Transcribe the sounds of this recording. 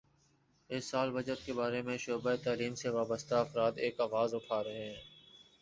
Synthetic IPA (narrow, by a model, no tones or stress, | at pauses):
ɪsːaːlbəd͡ʒət̪kebaːɾemẽʃoːbaet̪aːliːmseʋaːbəst̪aɐfɾaːt̪eːkaːʋaːzʊʈʰaːɾɐɦeɦɛ̃ː